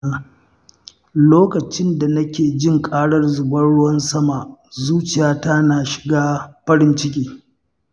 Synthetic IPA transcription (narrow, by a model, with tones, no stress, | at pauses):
loː˦kɐ˨t͡ʃɪ˦nda˨nɐ˦kʲeː˨d͡ʒɪ˦˨ŋkʼaː˦ɽɐ˦rzʊ˨bɐ˦ɽʊ˦wɐ˦nsɐ˦ma˨ʔzuː˦t͡ʃɪ˨jaː˦ta˦naː˨ʃɪ̥˨ɡaː˦ɸɐ˦ɽɪ˦nt͡ʃɪ˦k̬ʲiː˦